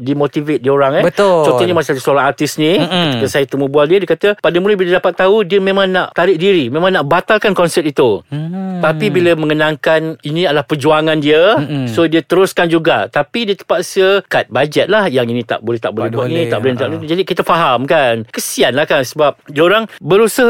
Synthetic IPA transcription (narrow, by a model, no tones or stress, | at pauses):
dimot̪ivet̪̚dioɾaŋɛət̪t͡ʃõɔɲəmasiadusoɾaŋart̪ɪsnĩəkəsajat̪əməbualdiədiəkat̪əpadəmuləbildapat̪ːaudiəmẽmãŋnaʔt̪aɾɪʔ̚diɾimẽmãŋnaʔbat̪alkankɔnsɛp̚it̪ut̪apibiləmə̃ŋənãŋkaninĩadəlahpərd͡ʒuaŋandiəsodiət̪əɾʊskand͡ʒuɡa̰t̪apidiət̪ə̥paʔsəkat̪̚bad͡ʒɛt̪̚lahjaŋinĩt̪a̰ʔbolɛht̪a̰ʔbolɛhbuanit̪aʔbəlɛnɾaʔlut̪ud͡ʒadikit̪afaɦamkankəsianlahkansəbap̚dioɾaŋbəɾusəh